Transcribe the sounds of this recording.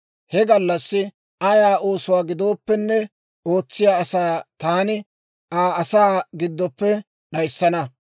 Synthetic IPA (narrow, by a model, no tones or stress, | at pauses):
hɛɡɐlːɐsːɪ | ɐjaːʔoːsʊwaːɡɪd̪o̞ːpːɛnːɛ | o̞ːt͡sːɪjaːɐsaːt̪aːnɪ | aːɐsaːɡɪd̪ːɔpːɛ | ɗɐjsːɐnɐ